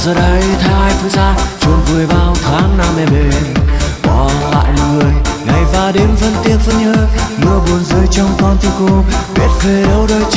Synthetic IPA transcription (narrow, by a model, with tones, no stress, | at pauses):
zəː˨˩ɗə˨˦jt̪ʰaː˧˨jt̪ʰɨ˨˧˦zaː˧t͡ɕɔ˨˧˩nvɨ˨˩əjɓaː˧wt̪ʰaː˨˦ŋna˧˩mnɛ˧˩ɓe˨˩ɓɔ˨˦la̰ː˧˨jŋɨ˨˩əjŋa˨˩jvaː˧˩ɗe˨˦mfə˧nt̪i˧˩əp̚fə˧nɲəː˧˦mɨ˧əɓu˨˩ənzəː˧əjt͡ɕɔ˧wŋ͡mkɔ˧nt̪ʰi˧ko˧ɓɛ˨˦˥t̚ve˧˩ɗə˨˦wɗəː˧j